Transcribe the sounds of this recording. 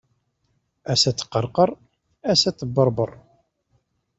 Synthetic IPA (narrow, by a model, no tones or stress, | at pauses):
æsæt͡sːqːəɾˤqəɾˤ | æsæt͡sːəbːəɾˤbərˤ